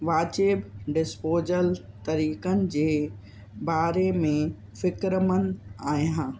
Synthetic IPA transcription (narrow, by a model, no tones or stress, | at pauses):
ʋaːt͡ɕeːbɖɪspoːzəl | t̪ɐɾiːkənɪ̆d͡ʑeː | baːɾemẽ | fɪkɾəmənɪ̆aːjãː